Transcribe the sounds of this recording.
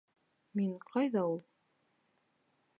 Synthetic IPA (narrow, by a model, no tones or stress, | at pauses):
miŋqʰɑjðɑulˠ